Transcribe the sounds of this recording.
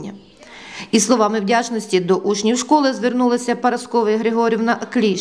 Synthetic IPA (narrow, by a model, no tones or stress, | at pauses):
nʲːɐ | islˠɔʋɑmɪwdʲat͡ʃnɔsʲtʲid̪ɔʔut͡ʃnʲiwʃkɔlˠɪzʋernulˠɪsʲɐpɐɾɐskɔʋɪjɦɾeɦɔɾʲiwnɐʔɐklʲi